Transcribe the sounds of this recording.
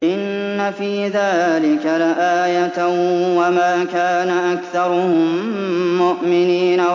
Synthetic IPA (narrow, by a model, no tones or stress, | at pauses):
ʔɪnːafiːðaːlɪkalaʔaːjat̪wamaːkaːnaʔakθɑɾˤʊhʊː | ʊʔmɪniːna